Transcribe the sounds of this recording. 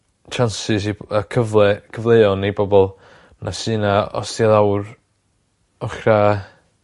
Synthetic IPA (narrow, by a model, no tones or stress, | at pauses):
t͡ʃʰansɪs̬iakʰəvɛkʰəvlˠeɔnibɔbɔlˠ | nʔasɨːnaɔ̰stjaðawr | ɔχra